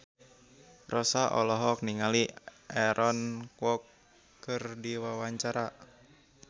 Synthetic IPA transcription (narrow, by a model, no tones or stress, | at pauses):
rɔsaʔɔ̰lɔɦɔk̚niŋaliʔɛɾʔɔnkwɔkː | ɨrdiwawaɲt͡ʃaɾa